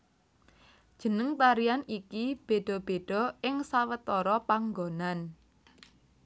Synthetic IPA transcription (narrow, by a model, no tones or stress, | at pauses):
d̥ʒ̥ə̤nəŋt̪aɾijanikib̥e̤ɖ̥ɔ̤b̥e̤ɖ̥ɔ̤ɪŋsawət̪ɔɾɔpaŋɡonan